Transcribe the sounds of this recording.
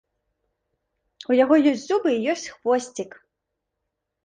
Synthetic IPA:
ujaɣɔjɔsʲtʲzubɨijɔsʲt͡sʲxvɔsʲt͡sʲik

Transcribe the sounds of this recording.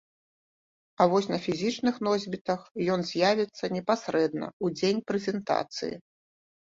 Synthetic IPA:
ɐvɔsʲnɐfʲizʲit͡ʂnɨxnɔzʲbʲit̪ɐxjɔnzʲjavʲɛt̪sːɐnʲɛpasɾɛd̪nɐ̰ud͡zʲenʲpɾɛzʲɛnt̪a̰t̪sɨ̰jḭ

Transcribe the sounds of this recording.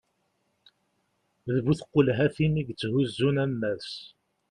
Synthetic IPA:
ðvuθəqːolɦæθiniɡt͡sːhuzːunæmːæs

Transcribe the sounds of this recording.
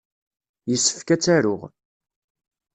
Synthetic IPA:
jəsːə̥fkæt͡sːæɾʊ̰ʁ

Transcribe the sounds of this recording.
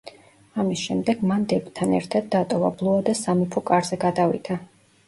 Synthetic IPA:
amisʃɛmd̪ɛɡ̥mand̪ɛbt̪ʰanɛ̰ɾt̪ʰad̪̚ːat̪ʼɔvablˠuad̪asamipʰɔkʼaɾzɛɡad̪avid̪̥ʰa

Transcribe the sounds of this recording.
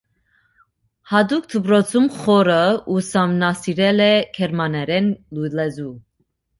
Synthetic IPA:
hɑd̪uk̚t̪ʰəpɾɔt͡sʰumχɔɾəusɑmnɑsiɾɛlɛkʰɛɾmɑnɛɾɛnlujlɛzu

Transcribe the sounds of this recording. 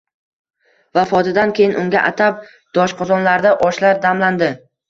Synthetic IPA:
vafɒt̪ʰɪd̪ankʲʰe̞jɪnʔʊŋɡʲa̰ʔat̪ʰap̚ | d̪̥ɒʃqʰɒzɒnlaɾd̪aʔɒʃlaɾd̪amland̪ɪ

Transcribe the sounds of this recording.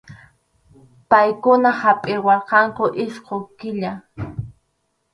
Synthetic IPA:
pajkʊnahapʼɪwɑqɑŋkʊʔɪʃqokɪʎa

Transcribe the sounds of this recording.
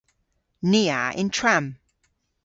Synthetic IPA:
niːa̰ʔɪ̰̃ntʰɹ̥ãm

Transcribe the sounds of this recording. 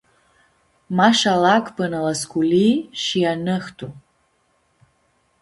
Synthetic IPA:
maʃalakʰʼpənalaskʷʰʼuliʃijanɨxtʰu

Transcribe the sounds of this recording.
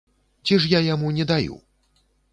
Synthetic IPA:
t͡sʲiʂjajamunʲɛd̪ajṵ

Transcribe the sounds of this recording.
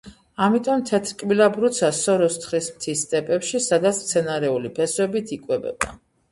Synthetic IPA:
amit̪ʼɔmt̪ʰɛt̪ʰɾkʼmilabɾut̪sʰasɔɾɔst̪ʰχɾismt̪ʰist̪ʼɛpʼɛpʃisad̪at̪sʰt̪sʰɛnaɾɛulipʰɛswɛbit̪ʰikʼwɛbɛ̰ba̰

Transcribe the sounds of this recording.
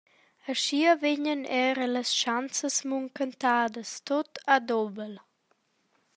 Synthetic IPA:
əʃiəveɲənɛɾələsʃant͡səsmuŋkənt̪aːd̪əst̪ot̪ad̪ɔbəl

